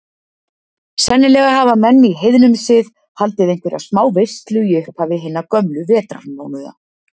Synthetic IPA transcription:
sɛnːɪlɛɣahaːvamɛnːiɦejðnʏmsɪð | halt̪ɪðejŋ̥kvɪɾʔa̰ðsmaːwve̥st̪lʏiʏhphavɪɦɪnːakœmlʏvɛːt̪ɾa̰no̰ːwnʏða̰

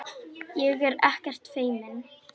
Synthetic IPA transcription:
jɛɣɛɾɛ̰hcɛr̥t̪feːjmɪn

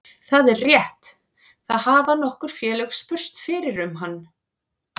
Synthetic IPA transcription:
θaðɛɾrjɛht̪ | θaððhaːvanɔhkʏɾ̥fjɛːlœxspʏr̥st̪fɪːɾɪɾʏmɦanː

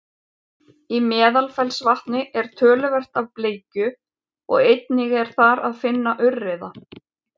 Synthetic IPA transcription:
imɛːðalfɛlsvaht̪nɪʔɛɾ̥t̪ʰœːlʏvɛr̥t̪avpleːjcʏ | ɔ̰ɣejt̪̚nɪɣɛɾ̥θaɾaðfɪnːaʔʏrːɪða

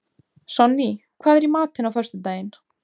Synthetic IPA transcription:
sɔnːikʰvaːðɛɾimaːt̪hɪnawfœr̥st̪ʏt̪aːjɪn

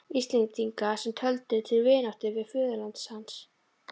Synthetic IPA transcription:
ist̪lint̪iŋkasɛmt̪ʰœlt̪ɪt̪ʰɪlvɪːnawht̪ɪvɪðfʏːðʏlant̪shans

